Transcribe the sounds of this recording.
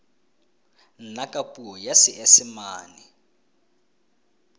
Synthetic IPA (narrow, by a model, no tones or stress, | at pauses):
n̩nakʼapʼuɔjasiʔesimaːni